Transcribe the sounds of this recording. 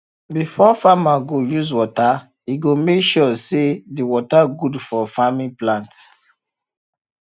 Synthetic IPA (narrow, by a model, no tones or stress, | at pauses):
bifɔfamaɡojuzwɔta | iɡomekʃɔsediwɔtaɡudfɔfamĩplãnt